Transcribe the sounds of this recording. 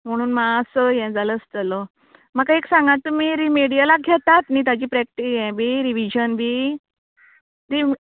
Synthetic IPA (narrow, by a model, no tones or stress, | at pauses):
m̤əɽ̃uːnmaəsəjɛ̃d͡zaləst̪ələ | makaeksãŋɡãt̪ːum̤iɾimeɽijalaɡʱɛt̪at̪niːt̪̬ad͡ʑiːpɾɛk̚ʈijɛ̃biɾiʋid͡ʑənbʱi | ɾi